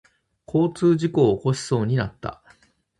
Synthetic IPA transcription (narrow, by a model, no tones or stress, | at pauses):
kʰo̞ːt͡sɨːʑiko̞ːko̞ɕi̥so̞ːɲ̟inat̪ːa̰